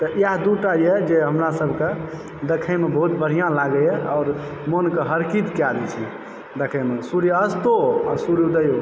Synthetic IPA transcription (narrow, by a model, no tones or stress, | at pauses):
t̪əʔjaɦd̪uʈajed͡ʒeɦəmɾasəbʱke | d̪ekʰəmebəɦut̪bəɽ̤ijãlaɡəeɔːɾ | monkeɦəɾkit̪kead̪ɛt͡ʃʰi | d̪ekʰəjmesuɾjəst̪oa̰suɾjud̪əjo